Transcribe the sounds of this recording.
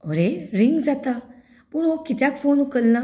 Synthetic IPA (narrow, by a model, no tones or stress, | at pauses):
ɔɾeɾiŋɡd͡zat̪a | punokːit̪jakfoːnukəlna